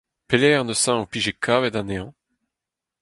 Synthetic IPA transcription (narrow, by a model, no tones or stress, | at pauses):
pelɛːʁnəsãopiʒekʰaved̪ãneɑ̃